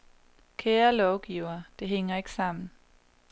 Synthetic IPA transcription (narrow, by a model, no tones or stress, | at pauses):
kʰeːɐlɒʊɡ̥iʊ̰ɐːd̥e̝ɦeŋ̰ɐe̝ɡ̥sɑ̈m̰n̩